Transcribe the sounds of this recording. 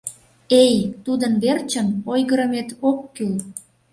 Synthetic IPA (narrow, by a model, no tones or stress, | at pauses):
ejt̪ud̪ənβert͡ɕənojɣəɾəmet̪okːyl